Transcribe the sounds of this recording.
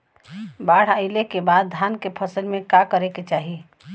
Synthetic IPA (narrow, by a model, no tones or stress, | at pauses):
baɽ̤aɪlekebad̪̚ːʱankepʰəsəlmekakəɾeket͡ʃaɦi